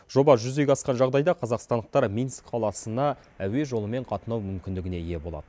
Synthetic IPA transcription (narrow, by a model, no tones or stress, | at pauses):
ʒ̥o̞bɑʒʏzeɡʲeɑsqɑnʒɑʁd̪ɑjd̪ɑqʰɑzɑqst̪ɑnd̪əq̚t̪ɑɾmʲinskqʰɑlˠɑsənɑ | æwe̞ʒo̞lˠəme̞ɴqʰɑt̪ənɑwmʏmkʲɪnd̪ɪɡʲɪne̞ije̞bo̞lˠɑ̰d̪ə